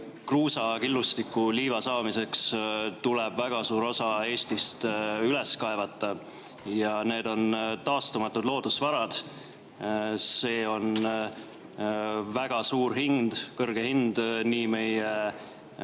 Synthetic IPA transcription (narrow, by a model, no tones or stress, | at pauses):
kruːsɑkilːust̪ikːˑuliːvɑsɑːmise̞kst̪ulɛb̥væɡ̥ɑsuːɾo̞sɑe̞ːst̪ist̪yle̞skɑevɑt̪ˑːɑ | jɑne̞ːd̪o̞nt̪ɑːst̪umɑt̪ːˑud̪̥lo̞ːd̪̥usvɑɾɑd̪̥ | se̞ːo̞n | væɡ̥ɑsuːɾhind̪̥kɤrɡ̥e̞hind̪̥niːme̞je